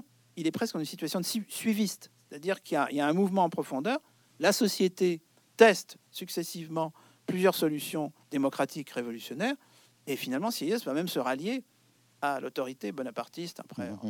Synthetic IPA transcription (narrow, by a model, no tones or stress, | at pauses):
ilɛpχɛskɑ̃ynsit̪ɥasjɔ̃d̪əsisɥivist̪se̥t̪ad̪iʁkiljailjaɛ̃muvmɑ̃ɑ̃pχɔfɔ̃d̪œːʁ | lasɔsjet̪e | t̪ɛst̪ | syksɛsivmɑ̃ | plyzjœʁsɔlysjɔ̃d̪emɔkχat̪ikʁevɔlysjɔnɛːʁ | efinalmɑ̃siɛjɛsvamɛmsəʁalje | alo̰t̪ɔʁit̪ebɔnapaʁt̪ist̪a̰pχɛ̰̃